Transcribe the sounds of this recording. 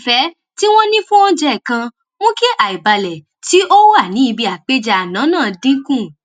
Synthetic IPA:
fɛ˨˦ | ti˦w̃ɔ̃˦nĩ˦fũ˦ɔ̃˦d͡ʒɛ˦˨kã˧ | wɔ̃˦ke˦ʔa˨i˨ba˨lɛ˨ | ti˦ʔo˦wo˦a˦˨nĩ˨˦i˧bi˧a˨k͡pe˦d͡ʒa˧a˨nã˨˦nãː˦˨di˦kũ˦˨

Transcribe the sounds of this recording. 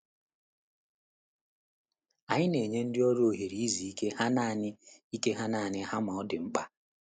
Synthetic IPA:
a˨ɲɪ˦ne˨ɲe˦n̩˦dɪ˦ɔ˦ɾo˨ɦe˨ɾi˨i˦zi˨i˦ke˦ha˦naː˦˨nɪ˦i˦ke˦ɦa˦na˨nɪ˦ɦa˦ma˨ɔ˦dɪ˨ŋ͡m̩˦k͡pa˦

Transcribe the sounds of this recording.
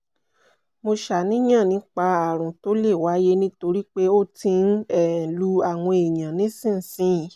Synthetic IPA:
mo˧ʃa˨nĩ˦j̃ã˦˨nĩ˨˦k͡pa˧a˨ɾ̃ũ˨to˨˦le˦˨wa˨˦je˦nĩ˦to˧ɾi˦k͡pe˦o˦tĩ˧n̩˦ɛ˨lu˧˦a˦˨w̃ɔ̃˧e˨jã˨nĩ˨˦sĩ˦˨n̩˨sĩ˨˦jĩ˨˦

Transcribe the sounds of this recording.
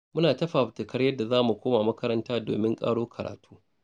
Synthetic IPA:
mʊ˦naː˨tɐ˦ɸaː˨tɪ˨kɐ˦ɽjɐ˦dːa˨zaː˦mu˨kʷoː˦ma˨mɐ˦kɐ˦ɾɐ˦ntaː˦do̰ː˨mɪ˦ŋkʼa̰ː˦ɽoː˦kʰɐ˨ɾa̰ː˨tʰu̥ː˦

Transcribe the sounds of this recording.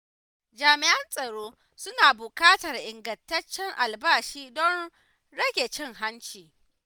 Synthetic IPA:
d͡ʒaː˨mɪ˨ʔɐ˦nsʼɐ˨ɽoː˦ | sʊ˦naː˨bʊ˨kaː˦tɐ˨rʔɪ˨ŋɡɐ˨ntɐ˦t͡ʃːɛ˦ŋʔa˨lbaː˦ʃiː˦dɔ˦n | ɽɐ˦ɡʲe˨t͡ʃɪ˦ŋɦa˦nt͡ʃiː˨

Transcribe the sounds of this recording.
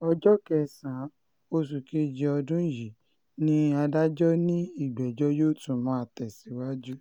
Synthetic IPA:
ɔ˧d͡ʒɔ˦kɛ˦˨sã˨˦ | o˧s̬u˨ke˦d͡ʒi˧ɔ˧dũ˦ji˨˦ | nĩ˦a˧da˦d͡ʒɔ˦nĩ˦i˦˨ɡ͡bɛ˨d͡ʒɔ˦joː˦˨tũ˦˨mãː˨˦˨tɛ˨si˨˦wa˦d͡ʒu˦

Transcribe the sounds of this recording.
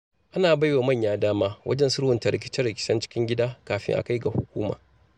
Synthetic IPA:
ʔa˦naː˨ba˦jwa˨mɐ˦˨ɲjaː˨daː˦maː˦wʔɐ̰˦d͡ʒɛ˦nsʊ˦ɽhʊ˨nta˨ɾɪ˨kʲɪ˦t͡ʃɐ˦rɽɪ˨kʲɪ̥˦sɐ˦nt͡ʃɪ̥˦kʲɪ˦ŋɡʲɪ˦daː˦kaː˨ɸɪ̰˦ŋʔa̰˨ka˦jɡa˨hʊ˨kʷuː˦ma̰ː˨

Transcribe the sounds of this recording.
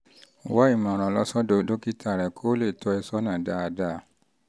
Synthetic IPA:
wa˦i˦˨mã˨ɾ̃ã˨lɔ˧˦sɔ˦do˧do˦ki˦tʰa˦˨ɾɛ˨kʰo˦le˦˨tʰɔ˧ɛ˧sɔ˦nã˨da˦a˧da˦˨˦

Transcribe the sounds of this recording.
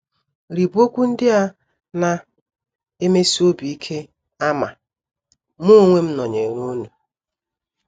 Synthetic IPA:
ɾi˨bo˦kʷu˦n̩˦dɪ˦a˦ | na˨ | e˦me˦si˦o˦bi˨i˦kʰe˦ | a˦ma˨ | mo˦ŋʷe˦m̩˦nɔ˨ɲe˨ɾu˦nu˨

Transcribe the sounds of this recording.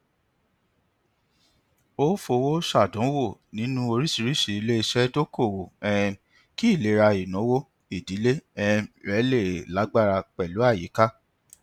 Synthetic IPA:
o˦fo˧wo˦ʃa˦˨dɔ̃˨˦wo˦˨nĩ˨˦nũ˦o˧ɾi˦si˨˧ɾi˦ʃi˨i˧le˦i˧ʃɛ˦to˦ko˦˨wo˨ɛ̃˦˧ | ki˦i˦˨le˨˦ɾa˧i˨nɔ̃˨˦wo˦ | i˨di˨˦le˦ɛ˧ɾɛ˨˦le˦˨la˨˦ɡ͡ba˦˨ɾa˧k͡pɛ˨lu˨˦a˦˨jḭ˨˦ka˦

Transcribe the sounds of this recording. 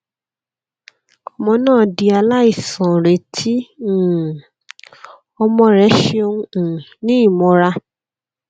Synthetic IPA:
ɔ˨mɔ̃˧nãː˦˨di˧a˧la˦i˦˨sã˨ɾe˨tʰi˨˦˨ | ɔ˧mɔ̃˧ɾɛ˨˦ʃe˧o˧ũ˧˨nĩ˦i˦˨mɔ̃˧ɾa˧

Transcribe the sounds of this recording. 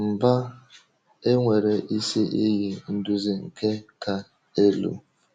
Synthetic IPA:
m̩˨ba˦ | e˦ŋʷe˨ɾe˨ʔi˦si˦ʔi˦ɣi˨n̩˦dʊ˦zi˦ŋ̩˨ke˦ka˨ | e˦lṵ˨

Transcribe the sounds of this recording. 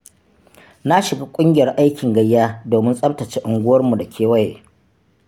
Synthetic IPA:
na˦ʃɪ˨ɡa˦kʷʼʊ˦ŋɡʲɪ˨jɐ˨rʔa˦jkʲɪ˨ŋɡɐ˦jːaː˦doː˨mɪ˦nsʼɐ˦btɐ˨t͡ʃeː˦ʔʊ˨ŋɡʷʊ˦wɐ˦rmu˨da˨kʲʰeː˦wɐ˦jeː˨

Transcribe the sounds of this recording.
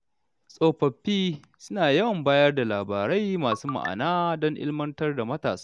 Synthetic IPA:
sʼoː˦ɸɐ˨ɸːiː˦ | sʊ˦naː˨jɐ˦wmbaː˦jɐ˦rda˨laː˨baː˨ɾa˦jmaː˨suː˦ma̰˨ʔa̰˨naː˦dɔ˦ŋʔɪ̰˦lmɐ˦ntɐ˦rda˨mɐ˦taː˨sḁː˦

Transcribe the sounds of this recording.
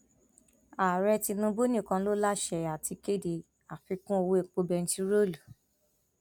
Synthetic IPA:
a˨ɾɛ˧ti˧nũ˧˦bo˦nĩ˦˨kã˧˦lo˦la˦ʃɛ˧˨a˨ti˧ke˦˨de˨ | a˨fi˧˦kũ˦o˧wo˦e˧k͡po˧bɛ˧n̩˦ti˧ɾo˦lu˨

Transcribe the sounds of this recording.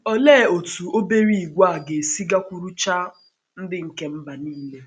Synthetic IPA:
ɔ˦lɛː˦˨o˨tu˨o˦be˦ɾi˦i˨ɡʷa˦˨ɡe˨si˦ɡa˦kʷu˨ɾu˦t͡ʃa˦ | n̩˦dɪ˦ŋ̩˨ke˦m̩˦ba˨niː˦le˦

